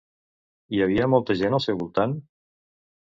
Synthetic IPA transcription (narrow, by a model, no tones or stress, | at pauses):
iaβ̞iəmɔlˠt̪əʒenalˠsɛwβulˠt̪an